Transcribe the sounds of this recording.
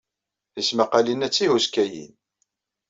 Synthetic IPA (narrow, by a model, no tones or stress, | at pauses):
θismaqalinæt͡sːihuskæjḭn